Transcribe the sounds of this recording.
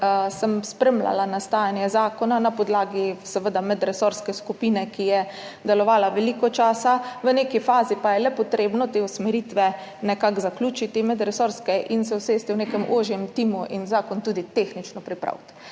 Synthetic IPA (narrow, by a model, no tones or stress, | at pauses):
səmspɾɛmla̰lanast̪aːjanjɛzaːkɔnanapɔd̪laːɡisɛʋəd̪amɛd̪ɾɛsoɾskɛskupiːnɛkijɛd̪ɛlɔʋaːlaʋɛlikɔt͡ʃaːsaʋənekifaːzipajɛlɛpɔt̪ɾeːbnɔt̪eːusmɛɾit̪ʋɛ | nɛkakzakluːt͡ʃit̪imɛd̪ɾɛsoɾskɛʔinsɛwseːst̪iwnekɛmʔoʒjɛmt̪iːmuʔinzaːkɔnt̪uːd̪it̪exnit͡ʃnɔpɾipɾa̰wt̪